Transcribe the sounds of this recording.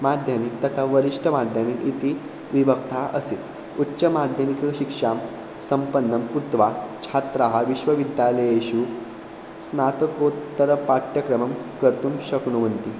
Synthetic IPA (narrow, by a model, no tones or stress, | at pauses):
mad̪ʱjamik̚t̪ːət̪ʰaʋəɾiʂʈʰəmad̪ʱjamikit̪i | ʋibəkt̪ʰaʔə̰se | utːɕəmad̪ʱjəmikəɕikʂam | səmpənːəmkut̪ʋat͡ɕʰat̪ɾaɦaʋiɕʋəʋid̪jaləjeɕu | snat̪əkot̪ːəɾəpaʈ̪jəkɾəməmkəɾt̪uːmɕəkɳum̤ənt̪i